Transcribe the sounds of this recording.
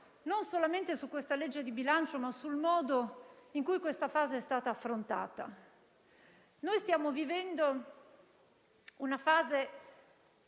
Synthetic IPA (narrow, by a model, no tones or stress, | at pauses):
nonsolament̪esukwest̪aled͡ʒːed̪ibilant͡ʃomasulmɔːd̪oiŋkujkwest̪afaːzeɛst̪aːt̪aːfːɾont̪a̰ːt̪a̰ | nojst̪jaːmovivɛnd̪o | unafaːze